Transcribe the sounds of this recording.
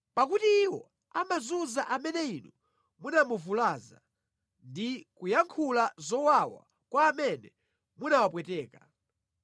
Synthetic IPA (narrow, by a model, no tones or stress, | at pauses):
pak̬utiːwɔ | amazuzaʔamɛnɛinɔ | munamuvulaːza | ndikujaŋkʰulazɔwawa̰ | kwaːmɛnɛ | munawap̬wɛtɛːka